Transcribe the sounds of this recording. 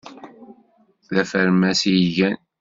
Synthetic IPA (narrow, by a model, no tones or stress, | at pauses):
ðæfəɾmæsijʝæn